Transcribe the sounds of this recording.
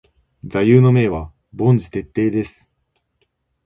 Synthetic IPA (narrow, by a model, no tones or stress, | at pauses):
d͡zajɯːnome̞ːβa | bõ̞nd͡zɨt̪e̞t̪ːe̞ːd̪e̞sɨ̥